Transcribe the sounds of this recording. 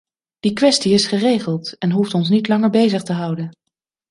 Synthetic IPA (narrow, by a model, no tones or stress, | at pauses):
d̥ikʋɛstiɪsχərejχəlˠtɛnɦuftɔns̬nitlɑŋəɹbejzəχtəɦʌwdən